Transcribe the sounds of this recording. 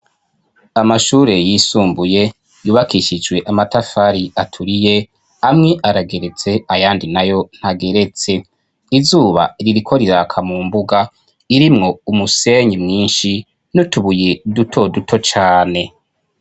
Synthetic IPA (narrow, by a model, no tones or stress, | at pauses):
amaʃuːɾe̞jiːsuːmbuje̞ | juːβakiʃid͡ʒɡwe̞ʔamatafaɾiʔatʰuɾije̞ | amŋe̞ʔaɾaɡe̞ɾe̞t͡se̞ajaːndinajo̞n̥haɡe̞ɾe̞t͡se̞ | izuːβa̰ɾiɾikʰo̞ɾiɾakʰamuːmbuɡa | iɾimŋo̞umuse̞ɲimŋiːnʃi | nutuβujedutʰo̞dutʰo̞t͡ʃaːne̞